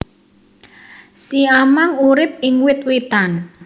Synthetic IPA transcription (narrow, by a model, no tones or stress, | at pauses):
siamaŋuɾɪp̚ɪŋwɪt̪̚wet̪an